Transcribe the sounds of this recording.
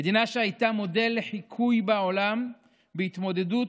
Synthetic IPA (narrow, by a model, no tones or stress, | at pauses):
ed̪inaʃehajt̪amo̞de̞lːeħikʰujbaolam | beit̪mo̞d̪e̞du